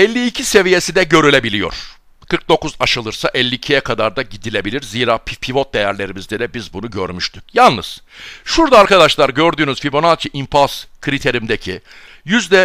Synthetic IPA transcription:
ɛlʲːiːcʰise̞vije̞sid̪ɛɟø̞ɾylʲe̞bilʲijo̞̰ɾ̥ | kʰɯɾk̚d̪o̞kuzaʃɯlˠɯɾsaʔɛlʲːiːcʰijɛkʰad̪aɾd̪aɟid̪ilʲe̞bilʲiɾziːɾaːpʰipʰivo̞t̪̚d̪ejæɾlʲe̞ɾimizd̪ɛd̪ɛbizbunuɟø̰ɾmyʃt̪ʰy̥c̚jalˠnɯz̥ʃuɾd̪aːɾkad̪aʃlˠaɾɟø̞ɾd̪yːnyzfibo̞nat͡ʃʰiʔimpʰaskʰɯɾit̪ʰe̞ɾimd̪ecʰi | jyzd̪ɛ

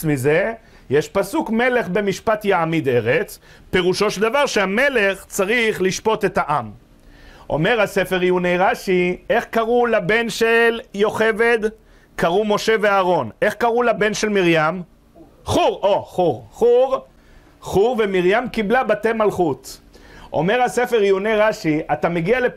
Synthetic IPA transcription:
mize̞ | jeʃpasukme̞le̞χbe̞miʃpat̪jaamid̪e̞ʁet͡s | pe̞ʁuʃo̞ʃeld̪avaʁʃehame̞le̞χt͡saʁiχliʃpo̞t̪e̞t̪aʔam | ʔo̰me̞ʁhase̞fe̞ʁiunejʁaʃieχkaʁulabe̞nʃeljo̞χe̞ve̞d̪ | kaʁumo̞ʃe̞veaːʁo̞ne̞χkaʁulabe̞nʃe̞lmiʁjam | χuʁʔo̞χuʁχuʁ | χuʁvemiʁjamkiblabat̪emalχut̪ | ʔo̞̰me̞ʁhase̞feʁjunejʁaʃiʔat̪ameɡiale

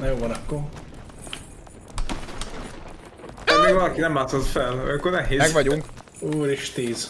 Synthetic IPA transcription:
nɛjoːvɒnɒkːoɾ | pelleɡvɒlɒkinɛmːaːt̪sot̪fɛlɔ̰jɒŋkːornɛɦeːɛɡvɒɟuŋk | oːɾiʃt̪iːz̥

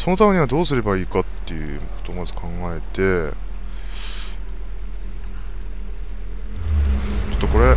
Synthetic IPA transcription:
so̞no̞t̪amʲe̞ɲ̟iβad̪o̞ːsɨɾe̞baiːkat̪ːe̞jɯ̟̰ | kʰot̪o̞ːmazɨkʰãŋɡae̞t̪e̞ | t͡ɕot̪ːoko̞ɾe̞

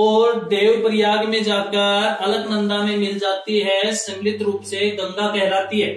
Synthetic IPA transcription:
ɔːɾd̪eːwpɾɪjaːɡmẽd͡ʒaːkəɾɐləɡnɐ̃nd̪amẽmɪld͡ʒaːt̪iɦɛsɐ̃mlɪt̪ɾuːpseɡɐ̃ŋɡakɛɦlaːt̪iɦɛː

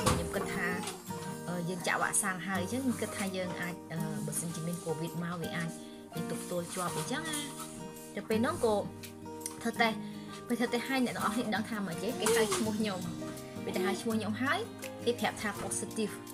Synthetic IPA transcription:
ɓaɲomkɨt̪ʰːaː | ʔəːjəːŋt͡ɕa̰ʔʋa̰ʔsaŋɦaəjt͡ɕəŋɲomkɨt̪ʰːaːjəːŋʔaːc̚ʔəːɓaːsənt͡ɕiəmiənkoːʋiət̪̚maɔʋiəʔaːc̚ | jəːŋt̪up̚t̪uəlt͡ɕŏəpʔət͡ɕəŋʔaː | t̪ɨwpeːlnɔ̆əŋkɔː | t̪ʰəwt̪ah | peːt̪ʰəwt̪aːhaəjnɛ̰t̪əŋʔɑhniəɗəŋt̪ʰaːmət͡ɕekeːhɦaəjt͡ɕʰmŭəhɲom | pit̪aɦaːjt͡ɕʰmʊ̆əhɲomɦaəj | keːt̪ʰĭəp̚t̪ʰaːpoːsit̪if

